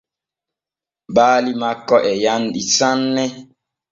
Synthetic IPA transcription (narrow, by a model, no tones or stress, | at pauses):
baːlimakɔʔɛjanɗisanːɛ